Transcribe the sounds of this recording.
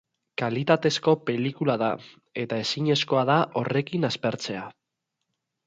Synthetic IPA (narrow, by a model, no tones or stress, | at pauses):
kalit̪at̪e̞sko̞pe̞likulaða | e̞t̪ae̞siɲe̞sko̞aðaʔo̞re̞kinaspe̞ɾt͡se̞a